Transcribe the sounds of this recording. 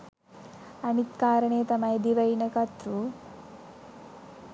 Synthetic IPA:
ɐnit̪kaːɾɐɳeːt̪ɐmɐjd̪iʋɐjnɐkɐt̪ɾu

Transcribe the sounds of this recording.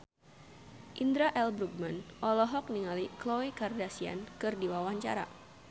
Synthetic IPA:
ʔind̪ɾaʔɛlbɾuɡ̚manʔɔlɔɦɔk̚niŋaliklowekardasia̰nkɨrdiwawaɲt͡ʃa̰ɾa̰

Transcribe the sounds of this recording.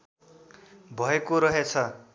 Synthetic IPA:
bʱʌekoɾʌɦet͡sʰʌ

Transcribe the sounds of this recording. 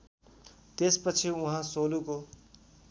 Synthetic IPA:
t̪espʌt͡sʰiuɦãsoluko

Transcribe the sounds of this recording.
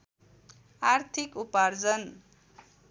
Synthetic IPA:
art̪ʰikupard͡zʌn

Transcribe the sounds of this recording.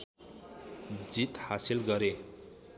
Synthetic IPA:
d͡zit̪hasilɡʌɾe

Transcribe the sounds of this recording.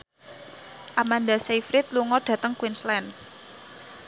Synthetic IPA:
ʔamand̪asejfɾit̪̚luŋɔɖ̥ä̤t̪əŋkwinslɛn

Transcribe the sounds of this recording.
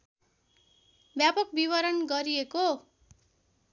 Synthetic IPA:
bjapʌk̚biβʌɾʌnɡʌɾieko

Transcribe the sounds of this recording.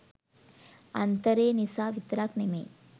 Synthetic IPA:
ɐ̰nt̪ɐɾeːnisaːʋit̪ɾaːknemḛː

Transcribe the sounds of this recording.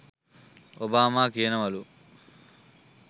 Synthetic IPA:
obaːmaːkijnɐmɐlu

